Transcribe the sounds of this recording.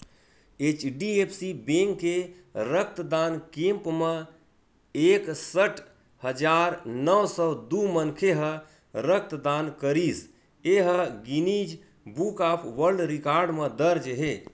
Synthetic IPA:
et͡ʃɖiepʰsibẽŋkːe | ɾək̚ʰt̪d̪ankẽmpmə | eksəʈʰ | həd͡ʒaɾnəwsɔd̪umənkʰeɦə | ɾək̚ʰt̪d̪ankəɾis | eɦəɡinid͡ʒ | bukapʰʋəɾɖɾikaɾɖməd̪əɾd͡ʒɦe

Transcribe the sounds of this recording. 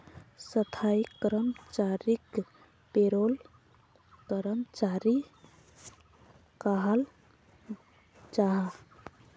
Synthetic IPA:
sət̪ʰaikəɾəmt͡ʃaɾik | peɾol | kəɾəmt͡ʃaɾi | kaɦəl | t͡ʃaɦ

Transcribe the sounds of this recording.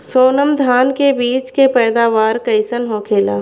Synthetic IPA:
soːnəmd̪ʱaːnkebiːt͡ʃkepɛːd̪aːʋaːɾkəɪsənɦoːkʰeːla̰ː

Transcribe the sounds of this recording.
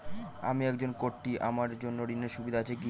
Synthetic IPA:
a̰miɛkd͡ʑonkoɾʈːiʔa̰maɾd͡ʑonːoɾineɾʃubid̪ʱaat͡ɕʰeɡi

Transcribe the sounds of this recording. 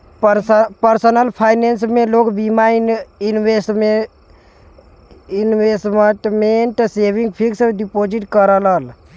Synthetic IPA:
ppəɾsənəlpʰajnensmelokbimaininwesʈme | inʋesməʈmeɳʈsebʱiŋɡpʰiksəbɖipod͡ʒiʈkəɾələl

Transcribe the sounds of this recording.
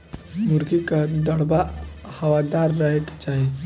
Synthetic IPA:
muɾɡikad̪əɽbahɐʋad̪aːɾːəɦekt͡ʃaɦe

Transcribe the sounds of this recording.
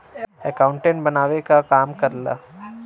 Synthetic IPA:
ɛkãːʊ̃ɳʈẽɳʈbɐnaːʋekakaːmkɐɾla̰ː

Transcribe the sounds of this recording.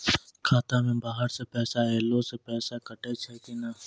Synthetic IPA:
kʰaːt̪amẽbaːɦəɾsepɛːsaeːlõsepɛːsakəʈet͡ʃʰeːkinaː

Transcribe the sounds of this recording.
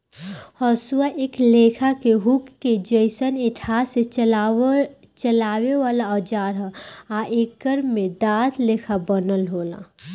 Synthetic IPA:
hɔsuaʔeːkleːkʰakeɦukːed͡ʒəɪsənɪʈʰaːse | t͡ʃəlaːwewaːlaɔd͡ʒaːɾɦɛaʔeːkːəɾmmed̪aːt̪ʰleːkʰabənəlɦoːla̰

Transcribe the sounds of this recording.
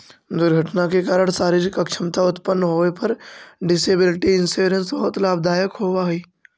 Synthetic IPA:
d̪ʊɾɡʱəʈnakekaːɾəɽ̃saːɾiɾɪkəkt͡ʃʰɪmt̪aʊt̪pənːɦoːepɐɾɖɪseːbɪlɪʈiɪ̃nsuɾẽnsbɐɦʊt̪laːbd̪ʱaːjəkɦoːʋaːɦiː

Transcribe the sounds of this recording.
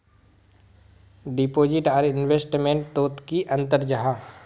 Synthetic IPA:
ɖipoːd͡ʒɪʈaːɾɪnweːsʈmẽɳʈ̚t̪oːt̪kiʔɐ̃nt̪əɾd͡ʒɐɦa

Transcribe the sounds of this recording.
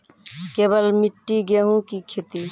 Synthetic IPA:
keːbəlmiʈːiɡeɦũkikʰet̪i

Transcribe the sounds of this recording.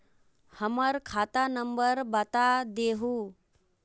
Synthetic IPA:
həməɾkʰat̪anəmbəɾbat̪ad̪eːɦu

